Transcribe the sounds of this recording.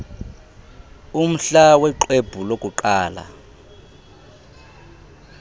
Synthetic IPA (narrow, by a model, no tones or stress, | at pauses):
um̩ɬawɛǃweb̥ʱulokʼuǃaːla̰